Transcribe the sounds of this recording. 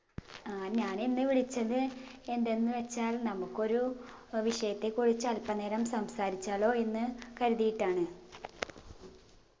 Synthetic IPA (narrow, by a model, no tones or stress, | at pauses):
aɲaːninːɨʋiɭit͡ɕːɐðɨe̞nd̪e̞nːɨʋet͡ɕːaːlnɐmukːo̞ɾuʋiʂɐjɐt̪ːe̞kuɻit͡ɕːɨɐlpɐneːɾɐmsɐmsaːɾit͡ɕːaːɭo̞ːe̞nːɨkɐɾuðijiʈːaːɳɨ